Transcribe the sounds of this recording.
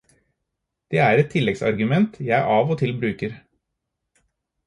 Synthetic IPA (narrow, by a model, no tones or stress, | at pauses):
d̪̥eːæːɾɛt̪ʰːɪlɛɡsɑ̰ɾɡʉmɛnt̪jæɪʔɑːʋoːt̪ʰɪlbɾʉːkəɾ